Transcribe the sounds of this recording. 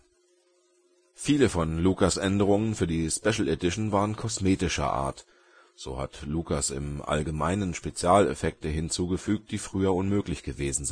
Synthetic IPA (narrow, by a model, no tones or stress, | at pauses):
fiːləfɔnluːkasʔɛndəʁ̞ʊŋənfyːɐdiːspɛʃl̩edɪʃn̩vaːʁənkʰɔsmeːtɪʃɐ̰ʔa̰ːɐt | z̥o̰ːha̰tluːkasɪ̰mʔa̰lɡəma̰ɪnənʃpet͡sjaːlɛ̰fɛk̚təɦɪnt͡suːɡəfyːk̚t̚d̥iːfʁ̥yːɐʊnmøːklɪçɡ̥əveːzn̩z